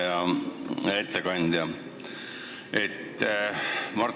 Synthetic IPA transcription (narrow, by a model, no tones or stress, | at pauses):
jɑ | et̪ːekɑnʲd̪̥jɑ | et̪ː | mɑrt̪